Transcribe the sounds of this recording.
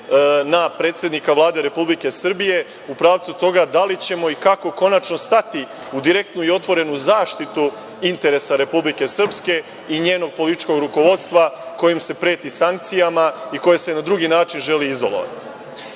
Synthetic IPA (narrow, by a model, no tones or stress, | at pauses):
napɾe̞ːt̪sje̞d̪nikaʋlˠaːd̪e̞ɾe̞publike̞sr̩bije̞ | upɾaːʋt̪sut̪o̞ɡad̪alit͡ɕe̞mo̞ikako̞ko̞nat͡ʃno̞st̪at̪i | ud̪iɾe̞k̚t̪nuio̞t̪ʋo̞ɾe̞nuzaːʃt̪it̪u | int̪e̞ɾe̞saɾe̞publike̞sr̩pske̞ | iɲe̞ːno̞ɡ̚po̞lit̪it͡ʃko̞ɡɾuko̞ʋo̞d̪st̪ʋako̞jimse̞pɾe̞ːt̪isaŋk̚t̪sijamaiko̞je̞se̞nad̪ɾuɡinaːt͡ʃinʒe̞liizo̰lo̰ʋa̰t̪i̥